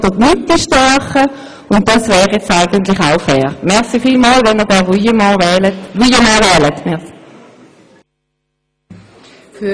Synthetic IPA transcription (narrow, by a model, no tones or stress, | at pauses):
d̥ətnyt̚diʃtɑɐχə | ʊntd̥ɑsvɛːʁjɛt͡staɪɡ̥əntlɪχaʊfɛːʁmɛɐʁsifiːlmɑːlvɛnəd̥ɛʁyəmɑ̃ːɛːlətʁyːəmɑːvɛːlətmɛ